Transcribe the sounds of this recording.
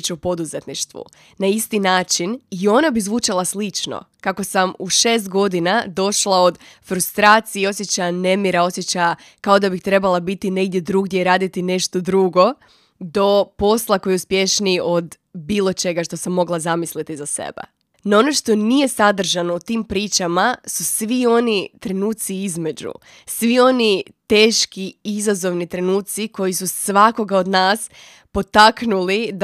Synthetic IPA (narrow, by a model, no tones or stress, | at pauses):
t͡ʃaupo̞d̪uzet̪niʃt̪ʋṵ | naist̪inaːt͡ʃinio̞nabizʋut͡ʃalˠaslˠit͡ʃno̰kako̞samuʃeːs̬t̪ɡo̞d̪inad̪o̞ʃlˠao̞d̪fɾust̪ɾaːt̪sieo̞sje̞t͡ɕajane̞miɾao̞sje̞t͡ɕaja | kao̞d̪abixt̪ɾe̞balˠabit̪ine̞ɡd̪je̞d̪ɾuɡdʲjeiɾaːd̪it̪ine̞ʃt̪o̞d̪ɾuɡo̞ | d̪o̞po̞slˠako̞juspje̞ʃnio̞d̪ | biːlˠo̞t͡ʃe̞ɡaʃt̪o̞samːo̞ɡlˠazamislit̪izasḛbḛ | nao̞no̞ʃt̪o̞nije̞sad̪r̩ʒano̞ut̪iːmpɾiːt͡ʃamasusʋio̞nit̪ɾe̞nuːt̪siizme̞d͡ʑṵ | sʋio̞nit̪e̞ːʃkiizazo̞ʋnit̪ɾe̞nuːt̪siko̞jisusʋako̞ɡaod̪naːs | po̞t̪aknulid̪